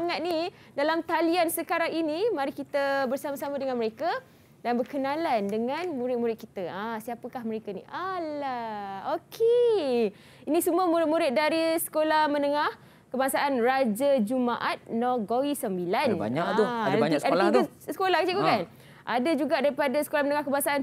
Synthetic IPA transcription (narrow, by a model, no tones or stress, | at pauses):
ŋat̪̚ni | dalamt̪aliansəkaɾaŋinimaɾihkit̪əbərsamasamadəŋanməɾeka | danbərkənalandəŋanmuɾɪt̪̚muɾɪt̪̚kit̪aasiapəkahməɾekanḭʔalaokʰe | inĩsumuəmuɾɪt̪̚mũɾɪt̪̚daɾisə̥kolahmə̃nəŋah | kəbasaʔanrad͡ʒad͡ʒumaʔat̪̚nɔɡowisəmbilanba̰ɲak̪uaaaiaalia | sə̥kolahkit͡ʃaikukan | ʔadad͡ʒuɡaʔdaɾipadasə̥kolahmənəŋahkəbasaʔan